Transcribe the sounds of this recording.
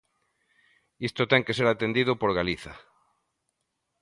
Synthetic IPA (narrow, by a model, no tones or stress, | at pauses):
ist̪ot̪ɛŋkeseɾat̪end̪iðʊpoɾɣaliθa̰